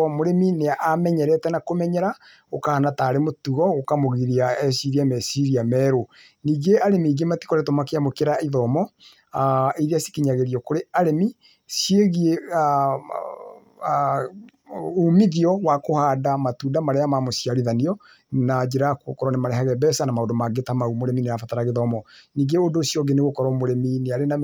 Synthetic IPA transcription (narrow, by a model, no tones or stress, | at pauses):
ɔmoɾemineaʔamɛɲɛɾɛtɛnakomɛɲɛɾa | okahanataɾemotuɣɔokamoɣiɾiaɛsiɾiamɛsiɾiamɛɾo | niːɡeaɾemiɡemati̥kɔɾetomakeamokeɾaiðɔmɔ | aiðeasi̥kiɲaɣeɾiɔkoɾeaɾemi | sjeɣiea | umiðiɔwakohaːdamatuːndamaɾeamamosjaɾiðaniɔ | nad͡ʒeɾako̰kɔɾɔnɛmaɾɛɦaɣɛbɛsanamaodomaɡetamaumoɾemineafataɾaɣeðɔmɔniːɡeodosjɔɡeneɣokɔɾɔmoɾemineaɾena